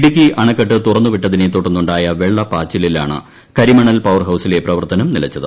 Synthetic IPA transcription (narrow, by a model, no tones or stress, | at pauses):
ɽik̬ʲːiʔɐɳɐkːɐʈːɨt̪urɐnːuʋiʈːɐðinet̪ːoʈːunːuɳɖaːjɐʋeɭːɐpaːt͡ɕːililaːɳɨ̰ | kɐɾimɐɳɐlpɐwɐrɦɐwsile̞prɐʋɐrt̪ɐnɐmnilɐt͡ɕːɐðɨ̰